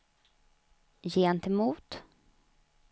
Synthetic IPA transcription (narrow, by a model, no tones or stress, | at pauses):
jeːɛnt̪ɛmuːt̪